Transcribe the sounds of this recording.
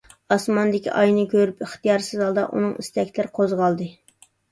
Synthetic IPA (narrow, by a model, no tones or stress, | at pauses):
ɑsmɑnd̪ɪkʲʰḭʔɑjnɨkʲʰøɾypɪχt̪ijɑɾsɨzɑlˠd̪ɑ̰ʔṵnɨŋist̪ɛkʲlɪɾqʰozʁɑlˠd̪ɨ